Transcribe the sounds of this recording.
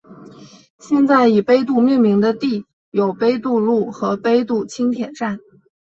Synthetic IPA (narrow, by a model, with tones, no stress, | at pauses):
ɕjɛ˥˧nt͡sa˥˩ɪi˨˩pe˥ɪt̪̬u˥˧mi˥˩nmi˧˥ŋd̪ə˧t̪i˥˩ | jo˨˩ʊpe˥ɪt̪u˥˧lu˥˩xɤ˧˥pe˥ɪt̪u˥˩t͡ɕʰi˥ŋt̪ʰjɛ˨˩nʈ͡ʂa˥˩n